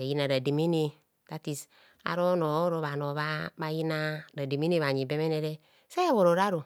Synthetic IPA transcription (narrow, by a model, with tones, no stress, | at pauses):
a˨ji˦na˨ɾa˨di˨mi˦ni˦ | ta˦ti˨s | a̰˨ɾo˦no˨o˦ɾo˨βa˨no˨βa˦ba˨ji˦na˦ɾa˨di˨mi˦ni˦βa˨ɲi˨be˦me˦ne˦ɾe˦ | se˦βo˨ɾo˨ɾa˦ɾo˨